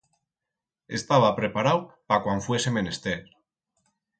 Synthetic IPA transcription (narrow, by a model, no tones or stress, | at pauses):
e̞̰st̪aβapɾe̞paɾawpakwaɱfwesemenest̪eɾ